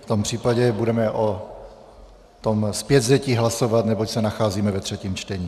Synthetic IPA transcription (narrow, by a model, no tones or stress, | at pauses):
ft̪o̞mpr̝̥iːpaɟɛbudɛmɛʔo | t̪o̞mspjɛd̪zɛciːɦlaso̞vat̪nɛbocsɛnaxaːziːmɛvɛt̪r̥ɛciːmt͡ʃt̪ɛɲiː